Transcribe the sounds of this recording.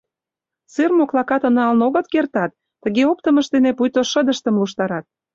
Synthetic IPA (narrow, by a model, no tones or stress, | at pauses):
t͡sɨrmoklɑkɑt̪ə̆nɑlnoɣə̆t̪kert̪ɑt̪ːə̆ɣeop̚t̪əmə̆ʃd̪enepujt̪oʃə̆d̪əʃt̪ə̆mluʃt̪ɑɾɑt̪̚